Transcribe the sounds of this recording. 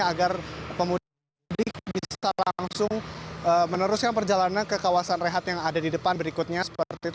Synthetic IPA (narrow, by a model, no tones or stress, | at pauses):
aɡarpəmu | dɪkbisalaŋsʊŋəmənəɾʊskanpərd͡ʒalanankəkawasanreɦat̪jaŋadadidəpanbəɾikut̪̚ɲasə̥pərt̪it̪